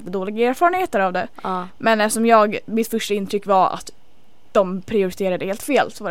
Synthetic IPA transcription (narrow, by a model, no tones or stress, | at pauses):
d̪ːəd̪oːlɪɡaeːɾfɑːɾənheːt̪əɾavd̪ɛmɛnɛʂɔmjɑːɡmɪt̪fœʂʈaɪnt̪ʰɾʏkːvaɾa̰t̪ | d̪̥ɔmpʰɾɪʊɾɪt̪ʰeːɾad̪əheːlt̪feːlsɔva